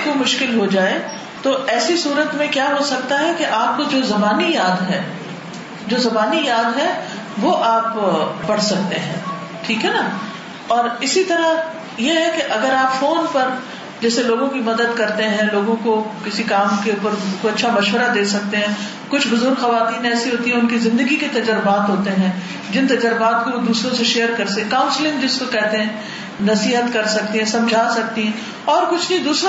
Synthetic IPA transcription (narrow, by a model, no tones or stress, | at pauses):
komʊʃkɪlɦod͡ʒaːe | t̪oʔɛːsisuːɾət̪mẽkjaːɦosɐk̚t̪aɦɛkeʔaːp̚kod͡ʒoːzɐbaːnijaːd̪ɦɛ̃ː | d͡ʒoːzɐbaːnijaːd̪ɦɛ | ʋoʔaːpbɐɽ̤sɐk̚t̪eɦɛ̃ː | ʈʰiːkɦɛna | ɔːɾɪsit̪ɐɾa | jeɦɛkeʔɐɡəɾaːpfoːnpɐɾ | d͡ʒɛːseloːɡõkimɐd̪əd̪kɐɾt̪eɦɛ̃loːɡõkokɪsikaːmkeuːpəɾkoɐtːʃʰamɐʃʋəɾad̪eːsɐk̚t̪eɦɛ̃ | kʊt͡ʃʰbʊzʊɾɡxɐʋaːt̪iːnɛːsiɦoːt̪iɦɛ̃ʊnkizɪ̃nd̪əɡiket̪ɐd͡ʒəɾəbaːt̪ɦoːt̪eɦɛ̃ː | d͡ʒɪnt̪ɐd͡ʒəɾbaːt̪̚kood̪uːsɾõseʃeːəɾkɐɾskãːʊ̃nslɪ̃ŋɡd͡ʒɪskokɛːɦt̪eɦɛ̃ | nɐsiːɦət̪kɐɾsɐk̚t̪eɦɛ̃sɐ̃md͡ʒʱaːsɐk̚t̪iɦɛ̃ | ɔːɾkʊt͡ʃʰnɐĩd̪uːsɾ̃